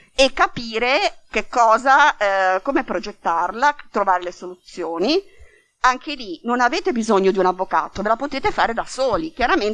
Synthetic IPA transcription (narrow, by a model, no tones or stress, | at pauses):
ekːapiːɾekekːɔːzakomepɾod͡ʒet̪ːarlat̪ɾovaːɾelesolut̪sjoːni | aŋkelinonaveːt̪ebizoɲːod̪iunavːoka̰ːt̪ovelapot̪eːt̪efaːɾed̪asoːlikjaɾamen